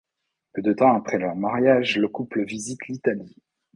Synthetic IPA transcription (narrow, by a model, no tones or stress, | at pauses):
pød̪ət̪ɑ̃apχɛlœʁmaʁjaʒləkupləvizit̪lit̪ali